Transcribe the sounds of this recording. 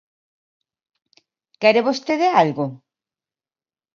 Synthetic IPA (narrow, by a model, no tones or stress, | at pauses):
kɛɾeβost̪eðealɣo